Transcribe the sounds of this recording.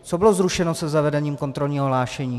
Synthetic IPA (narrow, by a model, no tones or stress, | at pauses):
t͡sobɪlozɾuʃɛnosɛzavɛdɛɲiːmko̞nt̪ɾo̞lɲiːɦoɦlaːʃɛɲiː